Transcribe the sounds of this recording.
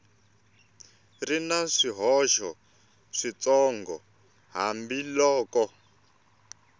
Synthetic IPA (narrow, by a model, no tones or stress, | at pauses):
rinaʂiɦɔʃɔ | ʂit͡sɔŋɡɔ̰ | ɦa̰mbilɔːkɔ